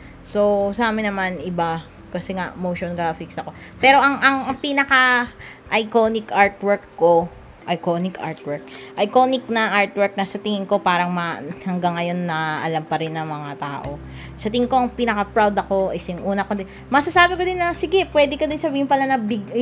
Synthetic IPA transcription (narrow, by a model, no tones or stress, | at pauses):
so̞saːmɪnɐmanɪba | kɐsɛŋa̰ʔmowʃonɡafiksɐko̞pɛːɾo̞ʔɐŋʔɐŋpinɐkɐ | ʔɐjkonɪkʔaɹt̪wɛɹkːo̞ | ʔɐjkonɪka̰ɹt̪wɛɹk̚ʔɐjkonɪk̚nɐʔaɹt̪wɛɹk̚nɐsɐt̪ɪŋɪŋko̞paːɾɐŋmɐhɐŋɡɐŋːɐjo̞nːɐʔɐlampɐɾɪnːɐŋmɐŋat̪a̰ːʔo̞ | sɐt̪ɪŋŋko̞ʔɐŋpinɐkɐpɹawd̪ɐko̞ʔɪsjʊŋʔuːnɐkond̪ɪ | mɐɡsɐsaːbɪkod̪ɪnːɐsɪɡɛpwɛːd̪ɪkod̪ɪnsɐbiːhɪnpɐlanɐbɪɡ